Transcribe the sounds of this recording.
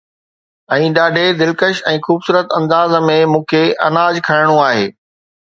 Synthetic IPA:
ɛ̃ːɗaːɖʱed̪ɪlkəʃɛ̃ːxuːbsuːɾət̪ɐ̃nd̪aːzmẽmũːkʰeʔɐ̰naːd͡ʑkʰɐɾɪɽ̃ũaːɦḛː

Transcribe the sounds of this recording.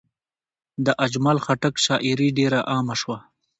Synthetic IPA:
d̪əʔad͡ʒmalxaʈakʃɑʔɪɾiɖeɾaʔɑmaʃwa

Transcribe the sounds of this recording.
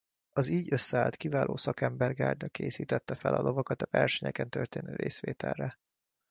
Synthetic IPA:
ɒziːɟø̞sːɛaːlt̪kivaːlʔoːsɒkɛmbɛrɡaːrd̪ɒkeːsiːt̪ɛt̪ːɛfɛlɒlʔo̞vɒkɒt̪ɒvɛrʃɛɲɛkɛnt̪ørt̪eːnøːɾeːsʋeːt̪ɛlːɛ

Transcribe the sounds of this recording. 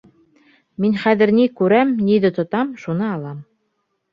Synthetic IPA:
minχæðɘ̆ɾnikʉɾæmnʲiðɘ̆t̪ŏt̪ɑmʃunɤɑlˠɑm

